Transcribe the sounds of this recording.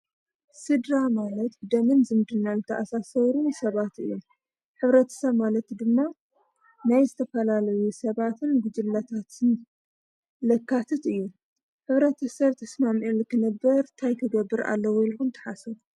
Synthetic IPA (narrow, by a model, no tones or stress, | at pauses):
sɨd̪ɾamalɐt̪d̪ɐmɨnzɨmd̪ɨnːazɨt̪ʰɐʔasasɐβɾunsɐβat̪ɨ̰jːu | ħɨβɾɐt̪ʰɐ̥sɐβmalɐt̪d̪ɨmːa | najzɨt̪ʰɐfɐlalɐjusɐβat̪ʰɨnɡud͡ʒɨlːat̪ʰat̪ʰɨn | lɐkːat̪ʰɨt̪ɨjːu | ħɨβɾɐt̪ʰɐsɐβt̪ʰɐsmamielɨkʰɨnɐbːɐɾt̪ʰajk̪ʰɨɡɐbːɨɾʔa̰lːɐwjilxunt̪ʰɐ̥ħasɐβ